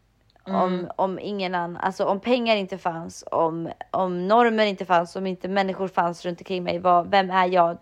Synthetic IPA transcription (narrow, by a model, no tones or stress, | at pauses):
ɔmɔmɪ̰ŋːənanːaʔa̰lsɔɔmpʰɛŋːaɾɪnt̪əfansɔmɔmnɔɾməɾɪnt̪əfansɔmɪnt̪əmɛnːɪɧʊɾfansɾɵnt̪ɔmŋkʰɾɪŋːmɛ̰jvɑvɛmːæjɑːɡ